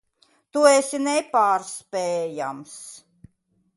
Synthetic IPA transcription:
t̪uesinɛpaːɾspɛːja̰ms

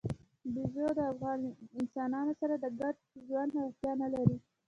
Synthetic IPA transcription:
bizod̪əafɣɑnɪnsɑnɑnosaɾad̪əɡaʈ̚ʒwand̪hawaxt̪jɑnalaɾi

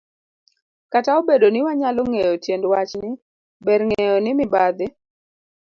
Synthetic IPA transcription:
kataobedonɪwaɲalɔŋejotjendwat͡ʃnɪ | bɛɾŋejɔnɪmɪbad̪ɪ

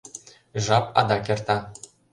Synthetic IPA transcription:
ʐɑpɑ̰d̪ɑkʲert̪ɑ

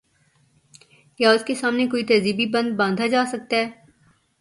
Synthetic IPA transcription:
jaʊskesaːmnekoːit̪ɐziːbibɐ̃nd̪̚bãːnd̪ʱad͡ʒaːsɐk̚t̪aɦɛː

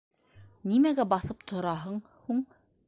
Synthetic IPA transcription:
nimæɡæbɑθɤp̚t̪ʰŏɾɑɦɤɴ | huɴ

